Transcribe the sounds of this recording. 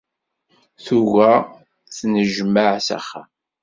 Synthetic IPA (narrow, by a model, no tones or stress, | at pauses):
θuɣæ | θnəʒəmːəʕsæ̰χa̰